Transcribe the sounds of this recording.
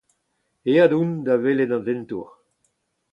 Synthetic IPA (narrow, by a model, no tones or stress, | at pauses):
eadund̪aveled̪ɑ̃nzɛnt̪ṵʁ